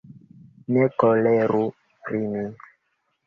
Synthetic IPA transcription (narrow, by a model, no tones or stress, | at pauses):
nɛkɔlɛɾu | rini